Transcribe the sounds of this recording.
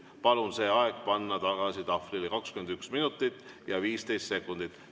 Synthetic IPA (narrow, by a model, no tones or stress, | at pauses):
pɑlunse̞ːɑeɡ̥pɑnːɑt̪ɑɡ̥ɑsit̪ɑfrilekɑkskymend̪yksminut̪ːˑit̪ːˑ | jɑviːst̪e̞jst̪se̞kːˑund̪̥it̪ːˑ